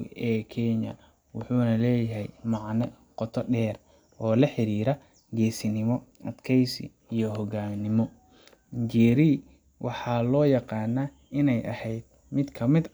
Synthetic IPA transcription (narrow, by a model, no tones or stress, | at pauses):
ʔɛːkʰɛɲɐ̰ | wʊħuːnɐlɛːjɐɦɛjmɑʕnɛqɔt̪ʰɔɖɛːr | ʔɔːlɐħɪɾiːɾɐ | ɡɛːsɪnɪmɔʔɐd̪kʰɛjsɪ̰ | ijɔɦɔɡaːmnɪmɔ | d͡ʒɛːɾi | wʔɑħɑːlɔːjɑqɑːnɐː | ɪnɛjʔɐ̰hɛjd̪̥̚ | mɪd̪kʰɐmɪd̪